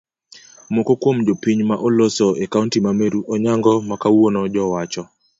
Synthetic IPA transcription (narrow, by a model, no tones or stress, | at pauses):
mwokokwomd͡ʒopiɲmaʔɔlosɔʔɛkauntimameɾuʔɔɲaŋɡɔmakawonɔd͡ʒɔwat͡ʃɔ